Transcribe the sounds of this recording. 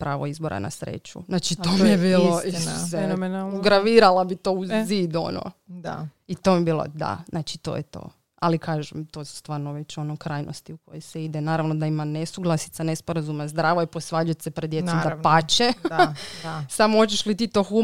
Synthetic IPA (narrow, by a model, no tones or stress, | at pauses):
pɾaːʋoizboɾʔa̰na̰sɾḛt͡ʃṵznat͡ʃiomebiːlˠoisemnuɡɾaʋiɾalabit̪o̞uzid̪o̰no̰d̪a̰it̪o̞mibiːlˠo̰d̪a̰znaːt͡ʃit̪o̰jet̪o̞̰ː | alikʰaːʒemt̪osu̥st̪ʋaːɾnoʋet͡ɕo̞nokɾaːjnost̪iuko̞jejseid̪enaːɾaʋnod̪aimanesuɡlˠasi̥t̪sanespoɾazumazd̪ɾaːʋojeposʋaːd͡ʒujet̪sepɾed̪d̪jeomd̪apat͡ʃe | samoot͡ʃeʃlit̪iːt̪o̞ːxu